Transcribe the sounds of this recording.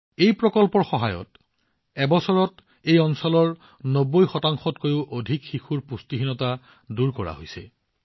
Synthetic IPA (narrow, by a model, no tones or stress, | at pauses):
ejpɹɔkɔlpɔɹxɔɦajɔ̰t | ɛbɔsɔɹɔt | ejɔnsɔlɔɹ | nobojxɔtaŋxɔtkojʊʔodʱikxixuɹpustiɦinɔta | duɹkɔɹa̰ɦojsɛ̰